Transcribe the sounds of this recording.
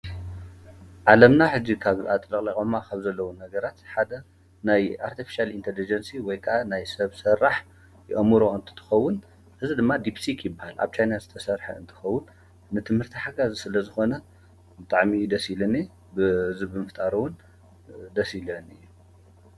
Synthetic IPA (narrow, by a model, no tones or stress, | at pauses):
ʕalɐmnaħɨd͡ʒːikʰaβat̪ʼlɐkʼlɐkʼomːakʰaβzɐlːɐwunɐɡɐɾat̪ħad̪ɐ | najaɾt̪ʰifi̥ʃalint̪ʰelid͡ʒɐnsiwɔjkʰɐʔanajsɐβsɐrːaħ | jɛʔɐmɨɾoɨnt̪ʰɨ̥t̪ʰɨ̥xɐwːʊn | ʔɨzid̪ɨmːad̪ipsikʰjɪbːahalʔa̰βt͡ʃʰajnazɨt̪ʰɐsɐɾħɐ̰ɨ̰nt̪ʰɨ̥xɐwːʊn | nɨt̪ʰɨmhɨɾt̪ʰiħaɡazisɨlɐzɨxo̞nɐ | bɨt̪ʼaʕmid̪ɐsilɐne | bɨzɨbɨmɨft̪ʼaɾuwʊn | d̪ɐsilɐnɨjːu